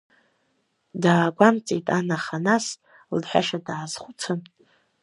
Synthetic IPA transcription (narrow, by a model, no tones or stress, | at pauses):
daːɡʷamt͡sʼḛjtʼanaχanas | lħʷᶣa̰ʂadaʕːzχʷut͡sʰɨn